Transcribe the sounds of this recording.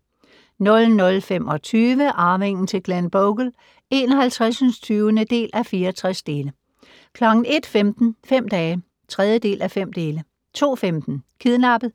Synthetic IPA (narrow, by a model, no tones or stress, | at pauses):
nɔ̽lnɔ̽lfemɒ̽t͡sʰyːʋəʔɑ̈ːme̝ŋ̰n̩t͡sʰe̝lɡ̥lænb̥oɡ̥l̩ | e̝ːnɒ̽ɦælt͡sʰʁasnst͡sʰyːʊənəd̥e̝̰ːlʔæfiːɐɒt͡sʰʁasd̥e̝ːlə | kʰlɒ̽ɡ̥n̩e̝d̥femd̥n̩fem̰d̥ɛː | t͡sʰʁɛð̞ˠjəd̥e̝̰ːlʔæfem̰d̥e̝ːlə | t͡sʰo̝̰ːfemd̥n̩kʰiðˠnɑ̈b̥ð̩ˠ